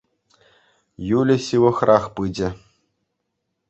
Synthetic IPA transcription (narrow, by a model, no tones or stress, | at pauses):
julʲɘ̆ɕɯʋɤ̆χrʔɑχpɯd͡ʑɘ̆